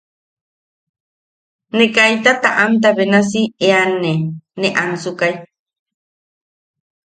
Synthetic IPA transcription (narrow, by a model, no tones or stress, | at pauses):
nekajt̪at̪aʔamt̪̬aβenas̬ieaneneʔansukaj